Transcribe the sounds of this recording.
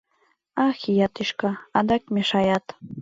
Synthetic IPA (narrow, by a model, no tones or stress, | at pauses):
ɑxijɑt̪iʃkɑɑd̪ɑkmeʃɑjɑt̪